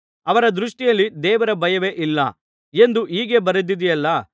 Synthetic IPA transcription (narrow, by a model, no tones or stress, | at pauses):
ɐʋɐɾɐd̪ɾuʂʈijɐlːid̪ɛːʋɐɾɐbʱɐjɐʋe̞ʔilːɐ | e̞nd̪uʔiːɡe̞bɐɾud̪id̪ijɐlːɐ